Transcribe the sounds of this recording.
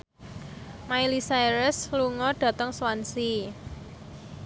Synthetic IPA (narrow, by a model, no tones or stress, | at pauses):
mailisaiɾəsluŋɔɖ̥ä̤t̪əŋswansi